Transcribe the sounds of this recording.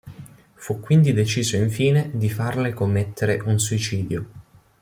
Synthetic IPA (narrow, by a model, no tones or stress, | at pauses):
fukːwind̪id̪et͡ʃiːzoiɱfiːned̪ifarlekomːet̪ːeɾeʔunsuit͡ʃiːd̪jo